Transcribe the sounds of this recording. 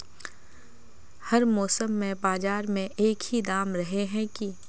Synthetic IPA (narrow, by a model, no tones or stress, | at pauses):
hɐɾmɔːsəmːẽbaːd͡ʒaːɾmẽʔeːkhid̪aːmɾɐɦeɦɛ̃ki